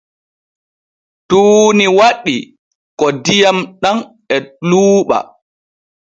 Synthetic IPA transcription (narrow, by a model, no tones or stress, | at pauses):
tuːniwaɗːi | kɔdijamɗan | ɛluːɓa̰